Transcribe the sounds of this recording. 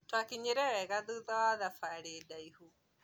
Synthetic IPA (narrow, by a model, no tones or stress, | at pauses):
twakiɲeɾɛɾɛɣaðuðawaðafaɾedaihu